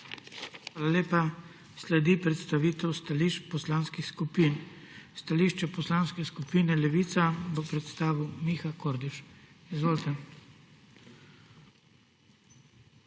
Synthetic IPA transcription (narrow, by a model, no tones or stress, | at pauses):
xʋaːlaleːpa | slɛd̪ipɾɛt̪st̪aʋiːt̪ɛwst̪aliʃpɔslanskixskupin | st̪aliːʃt͡ʃɛpɔslaːnskɛskupiːnɛlɛʋit̪sabəpɾɛt̪st̪aːʋumixakoːɾd̪iʃ | izʋoːlt̪ɛ